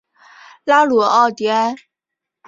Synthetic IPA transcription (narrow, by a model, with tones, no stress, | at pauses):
la˥lu˨˩ɑ˥˩ʊt̪jɛ˧˥